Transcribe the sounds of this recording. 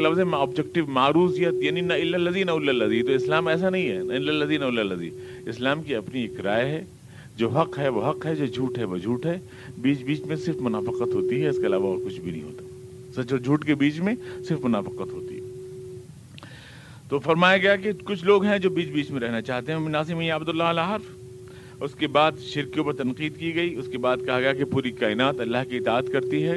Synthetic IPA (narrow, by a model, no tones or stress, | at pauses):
lɐfzemẽɔːbd͡ʒɛk̚ʈɪʋmaːɾuːsijət̪jaːninɐɪlːəlɐzinɐʊlːəlːɐzit̪oɪslaːmɛːs̬anɐɦĩɦɛ̰nɐɪlːəlːɐziːnɐʊlːəlːɐzḭ | ɪslaːmkiɐpnieːkɾaːjɦɛː | d͡ʒoːɦɐqɦɛʋoɦɐqɦɛd͡ʒoːd͡ʒʱuːʈɦɛʋod͡ʒʱuːʈɦɛ | biːt͡ʃbiːt͡ʃmẽsɪɾfmʊnaːfəqət̪ɦoːt̪iɦɛɪskeɐlaːʋaɔːɾkʊt͡ʃʰbʱinɐ̰ɦḭ̃ɦo̰ːt̪ḁ | sɐt͡ʃɔːɾd͡ʒʱuːʈkebiːt͡ʃmẽsɪɾfmʊnaːfɪqət̪ɦoːt̪ḭɦɛː | t̪oːfɐɾmaːjaɡɐjakekʊt͡ʃʰloːɡɦɛ̃d͡ʒoːbiːt͡ʃbiːt͡ʃmẽɾɛɦnat͡ʃaːɦt̪eɦɛ̃binaːsɪmɐijaːbd̪ʊlːaɐlaɦɐɾf | ʊskebaːd̪ʃɪɾkjõpɐɾt̪ɐnqiːd̪kiɡɐiʊskebaːd̪kɐɦaɡɐjakepuːɾikaːɪnaːt̪ɐlːaɦkiɪt̪aːt̪kɐɾt̪iɦɛː